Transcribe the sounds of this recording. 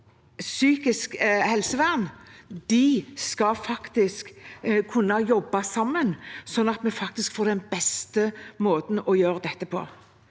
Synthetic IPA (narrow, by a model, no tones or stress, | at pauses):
syːkɪskhɛlsəʋæʁnd̪̥ɪskɑfɑkt̪ɪskkʰʉnːɑjɔbːɑsɑmːənsɔnːɑt̪mɛfɑk̚t̪ɪskfoːɾd̪ɛnbɛst̪əmoːt̪n̩ɔjøːɾəd̪ɛt̪ːəpʰɔ̰